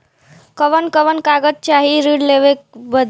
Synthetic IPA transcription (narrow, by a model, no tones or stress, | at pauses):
kʌʋənkʌʋənkaɡəd̚t͡ʃaɦiɾiɽleʋek̚bəd̪ʱ